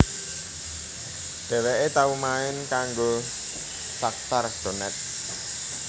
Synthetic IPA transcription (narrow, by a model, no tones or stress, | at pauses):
ɖ̥ɛ̤lɛʔet̪aumaɪnkaŋɡo | sak̚t̪ard̪̥o̤nɛt̪̚